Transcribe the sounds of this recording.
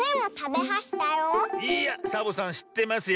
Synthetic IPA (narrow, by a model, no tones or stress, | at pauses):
ẽmot̪abeɦaɕi̥t̪ajoiːjasabosãɰ̃ɕi̥t̪ːe̞masɨj